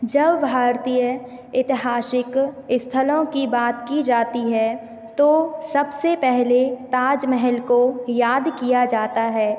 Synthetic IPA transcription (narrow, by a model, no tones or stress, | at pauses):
d͡ʒɐbːʱaːɾt̪ijə | ɪt̪ɪɦaːsɪkɪst̪ʰəlõkibaːt̪kid͡ʒaːt̪iɦɛ | t̪osɐbsepɛɦlet̪aːd͡ʒmɛɦɛlkojaːd̪kijad͡ʒaːt̪aɦɛː